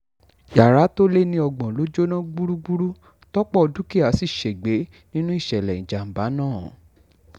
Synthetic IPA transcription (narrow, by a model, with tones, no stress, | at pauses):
ja˨ɾa˨˦to˦le˦˨nĩ˦ɔ˧ɡ͡bɔ̃˨lo˨˦d͡ʒo˦nã˦ɡ͡bu˦ɾu˦ɡ͡bu˦ɾu˦ | tɔ˦k͡pɔ˦ɔ˧du˦ki˦a˨˦si˦˨ʃe˨ɡ͡be˨˦ | nĩ˦nũ˦i˦˨ʃɛ˨lɛ˨ĩ˨d͡ʒa˨m̩˨ba˨˦nãː˦˨˦